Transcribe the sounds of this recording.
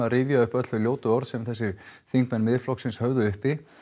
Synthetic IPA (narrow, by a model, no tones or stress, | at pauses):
arɪːvjaʏhpœt̪lʏljoːwt̪ʏɔwɾðsɛmθɛsːɪθiŋkmɛnmɪðflɔksɪnshœvðʏʏhpɪ